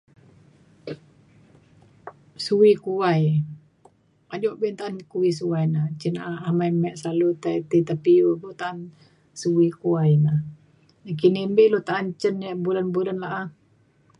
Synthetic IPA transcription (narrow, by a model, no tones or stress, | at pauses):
suwikuaj | ad͡ʒɔʔbent̪aʔankuwisuajnat͡ʃənaaamajmɛʔslalut̪ait̪it̪apiuɡot̪aʔan | suwikuajna | akinimbiʔlot̪aʔːnt͡ʃənjaʔbulanbulanlaʔa